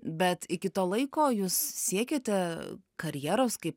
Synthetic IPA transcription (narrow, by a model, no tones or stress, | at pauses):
bʲɛt̪ɪkʲɪt̪oːlˠɐɪkoːjuːssʲiɛkʲeːt̪ʲɛkɐɾʲjɛːɾoːskɐɪp